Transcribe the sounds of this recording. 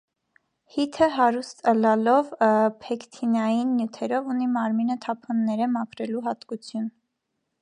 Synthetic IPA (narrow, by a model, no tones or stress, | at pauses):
hit̪ʰəɦɑɾust̪əlɑlɔvpʰɛkʰt̪ʰinɑjinːjut̪ʰɛɾɔvunimɑɾminət̪ʰɑpʰɔnːɛɾəmɑkʰɾɛluɦɑt̪kut͡sʰjun